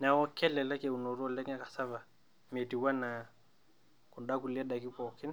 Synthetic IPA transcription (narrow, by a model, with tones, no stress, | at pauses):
na˨wɔ˦kʰɛ˦lɛ˨lɛ˦kɛ˨u˨nɔ˨ɾɔ˦lɛ˦ŋa˦kḁ˨sa˦va˨ | mɛ˨ti˨wa˦na˨ | ku˨nda˦ku˨li˦ɛ˦ɗa˨ki˦pɔ˨kɛ˦ni